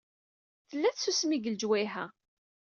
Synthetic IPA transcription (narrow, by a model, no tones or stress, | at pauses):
θəlːæθsusmiɡəld͡ʒwiɦæ